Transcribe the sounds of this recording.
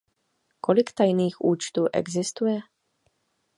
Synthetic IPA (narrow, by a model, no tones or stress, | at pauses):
kolɪkt̪ajniːxʔuːt͡ʃt̪uːʔɛ̰ɡzɪst̪ujɛ